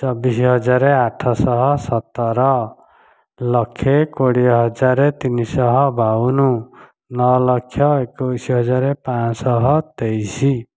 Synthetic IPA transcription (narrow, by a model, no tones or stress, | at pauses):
t͡ʃɔbisiɦɔd͡ʒaɾeaʈʰɔsɔɦɔsɔt̪ɔɾɔ | lɔkʰːekoɽiɔɦɔd͡ʒaɾet̪inisɔɦɔbaunu | nɔlɔkʰːjɔekojsiɦɔd͡ʒaɾepãsɔɦɔt̪ejsi